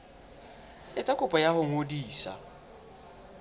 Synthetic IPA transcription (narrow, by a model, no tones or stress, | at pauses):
ɪtʼakʊpʼɔjaɦʊŋ̩odiːsa̰